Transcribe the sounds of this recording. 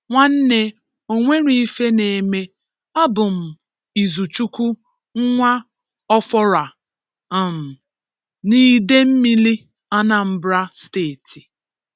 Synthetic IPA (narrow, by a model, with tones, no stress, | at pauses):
ŋʷa˦n̩˦ne˨ | o˦ŋʷe˦ɾi˨i˦fe˦ne˨e˨me˦ | a˦bʊ˨m̩˨ | i˨zu˨t͡ʃu˦kʷu˦ | ŋ̩˦ŋʷa˦ | ɔ˦fɔ˦ɾa˨ | a˨m̩˨ | niː˦de˦m̩˦mi˦li˦ | a˦na˦m̩˦bɾa˦steː˦˨ti˨